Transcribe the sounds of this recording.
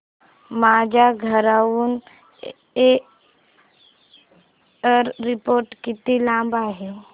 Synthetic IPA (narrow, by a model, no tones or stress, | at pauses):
maːd͡ʒaɡʱəɾaun | e | əɾːɪpoːɾʈkɪt̪ilãːmbaɦe